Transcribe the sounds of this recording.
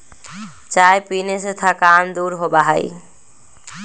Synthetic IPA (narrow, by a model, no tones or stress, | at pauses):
t͡ʃaːepineset̪ʰakaːmd̪uːɾɦobaɦaḭ